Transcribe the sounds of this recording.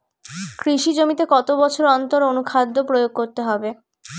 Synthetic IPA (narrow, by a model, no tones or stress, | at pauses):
kɾiʃid͡ʑomit̪ekɔt̪obɔt͡ɕʰoɾɔnt̪oɾonukʰad̪ʱːopɾojoɡ̚koɾt̪eɦɔbe